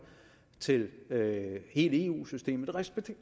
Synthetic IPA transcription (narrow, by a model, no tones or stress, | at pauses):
t͡sʰe̝løhe̝ːləe̝ːṵːsysd̥e̝̰ːmð̩ˠʁɛsb̥e̥